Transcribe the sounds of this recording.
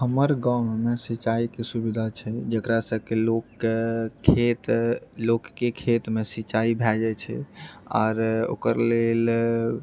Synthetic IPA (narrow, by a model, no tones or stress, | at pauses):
həməɾɡãwɳmesit͡ʃaikesubid̪ʱat͡ʃʰɛd͡ʒəkɾasəb̚kelokʰː | et̪lokːekʰet̪mesit͡ʃaibʱɛd͡ʒɛt͡ʃʰɛ̰ɔ̰ːɾo̰kəɾlel